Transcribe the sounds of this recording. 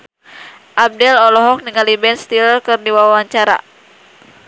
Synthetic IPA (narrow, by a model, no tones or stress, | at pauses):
ʔab̚dɛlɔlɔɦɔk̚niŋalibɛnst̪ilkɨrdiwawwaɲt͡ʃaɾa̰